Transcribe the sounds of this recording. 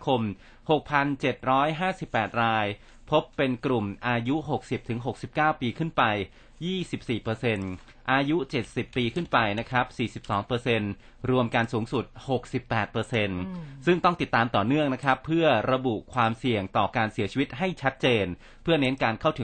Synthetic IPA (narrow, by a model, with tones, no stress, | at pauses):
kʰo˧m | ho˨˩k̚pʰa˧nt͡ɕe˨˩t̪̚ɾɔː˦˥jɦaː˥˩si˨˩pːɛː˨˩t̪̚ɾaː˧j | pʰo˦˥pːe˧nkɾu˨˩mʔaː˧ju˦˥ʔɦo˨˩k̚si˨˩p̚t̪ʰɯ˩˦ŋɦo˨˩k̚si˨˩p̚kaː˥˩wpiː˧kʰɯ˥˩npa˧j | jiː˥˩si˨˩p̚siː˨˩pɤː˧se˧n | ʔaː˧ju˦˥t͡ɕe˨˩t̪̚si˨˩pːiː˧kʰɯ˥˩npa˧jna˦˥kʰɾa˦˥p̚siː˨˩si˨˩p̚sɔː˩˦ŋpɤː˧se˧n | ɾu˧əmka˧nsuː˩˦ŋsu˨˩t̪̚ho˨˩k̚si˨˩pːɛː˨˩t̪̚pɤː˧se˧nsɯ˥˩ŋt̪ɔ˥˩ŋt̪i˨˩t̪ːaː˧mt̪ɔː˨˩nɯ˥˩əŋna˦˥kʰɾa˦˥pʰːɯ˥˩ɐɾa˧bu˨˩ʔkʰwaː˧msi˨˩əŋt̪ɔː˨˩kaː˧nsi˩˦ɐt͡ɕʰiː˧wi˦˥t̪̚ɦa˥˩jt͡ɕʰa˦˥t̪̚t͡ɕeː˧n | pʰɯ˥˩ɐne˦˥nkaː˧nkʰa˥˩wt̪ʰ